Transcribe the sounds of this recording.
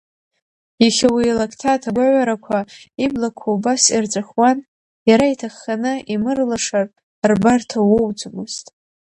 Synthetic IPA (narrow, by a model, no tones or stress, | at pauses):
iχʲawilakʰtʰatʰaɡʷaʕʷaɾakʷʰaiblakʷʰawbasirt͡sʷʼaχwan | jaɾaitʰaχːanɨʔimɨrlaʂar | rbartʰawowd͡zʷʼmɨz̥tʼ